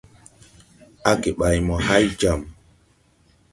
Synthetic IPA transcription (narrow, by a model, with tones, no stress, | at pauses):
a˦ke˨ɓa˨jmɔ˨ha˦jd͡ʒa˨m